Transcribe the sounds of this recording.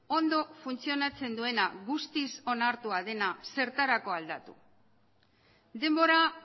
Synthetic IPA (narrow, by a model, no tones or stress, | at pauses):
o̞nd̪ofunt͡sio̞nat͡se̞nd̪ue̞naɣust̪iso̞naɾt̪uað̞e̞nase̞ɾt̪aɾako̞ald̪at̪u | d̪e̞mbo̞ɾa